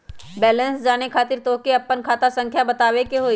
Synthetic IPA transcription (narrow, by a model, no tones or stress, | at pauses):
bɛːlə̃nsd͡ʒaːnekʰaːt̪ɪɾt̪oːkeɐpːənkʰaːt̪asə̃ŋkʰjabɐt̪aːwekeɦoː